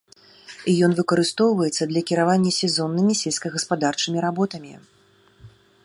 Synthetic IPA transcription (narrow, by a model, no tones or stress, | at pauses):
ijɔn̪vɨkɐɾɨst̪ɔwvɐjɛt̪sːɐd̪lʲɐkʲiɾavanʲːɐsʲɛzɔnːɨmʲisʲɛlʲsʲkɐɣɐspad̪art͡ʂɨmʲiɾabɔt̪ɐmʲi